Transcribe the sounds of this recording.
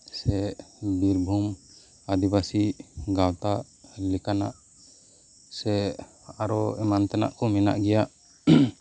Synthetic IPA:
sɛbiɾbʱum | ad̪ibasiɡawt̪aʔ | likana̰ʔ | sɛ | aɾɔɛmant̪ɛna̰ʔkɔmina̰ʔɡɛjaʔ

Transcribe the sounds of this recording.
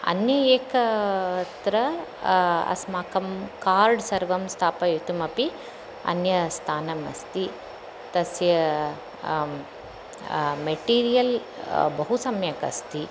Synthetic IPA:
ɐ̰njɐjeːkɐt̪ɾɐ | ɐ̰smaːkɐmkaːɾɖsɐɾʋɐmst̪ʰaːpɐjut̪umɐpi | ɐ̰njɐst̪ʰaːnɐmɐ̰st̪i | t̪ɐsjɐ | meʈiːɾijɐl | bɐɦusɐmjɐkɐ̰st̪i

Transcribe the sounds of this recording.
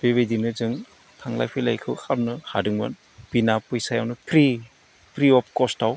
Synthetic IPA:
b̥ebejdinɯzɯŋ | tʰaŋla̰jpʰijla̰jkʰɯwhap̚nɯha̰dɯŋma̰n | binapɯjsajawnɯpʰɾi | pʰɾiɔp̚ʰkɔstaw

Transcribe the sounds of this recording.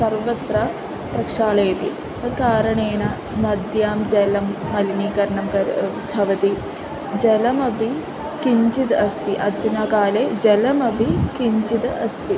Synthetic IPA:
sɐɾʋɐt̪ɾɐ | pɾɐkʂaːɭeːt̪ḭ | ɐkaːɾɐɳeːnɐ | mɐd̪jaːmd͡ʒɐlɐmːɐliniːkɐɾɐɳɐmkɐ | bʱɐʋɐt̪i | d͡ʒelɐmɐbʱi | kiɲt͡ʃit̪ɐst̪iʔɐd̪ʱjɐnakaːled͡ʒelɐmɐbʱikiɲt͡ʃit̪ɐst̪i

